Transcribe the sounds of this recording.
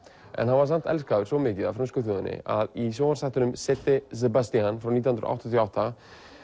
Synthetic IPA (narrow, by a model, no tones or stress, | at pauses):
ʔɛ̰nhanvaɾsan̥t̪ɛlskaʏɾ̥somɪːcɪðafɾamskʏθɪːðʏnɪ̰ʔa̰ðisoːmaɾsaht̪ʏnʏmsɛt̪ːɪz̬ɛbast̪ianfɾawnit̪ahnɾ̰ʔa̰wt̪ɔnawht̪a